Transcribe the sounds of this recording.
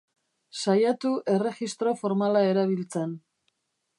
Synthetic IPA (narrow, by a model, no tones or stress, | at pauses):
sajat̪uʔe̞re̞ɣist̪ɾo̞fo̞ɾmalae̞ɾaβ̞ilt͡se̞n